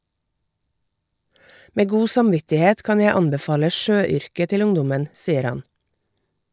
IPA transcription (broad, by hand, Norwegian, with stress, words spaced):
ˈmeː ˈɡuː sɑmˈʋɪtɪˌheːt ˈkɑn ˈjæ ˈɑnbɛˌfɑːlə ˈʃøːˌʏɾkə ˈtɪl ˈʊŋdʊmən ˈsiːəɾ ˈhɑn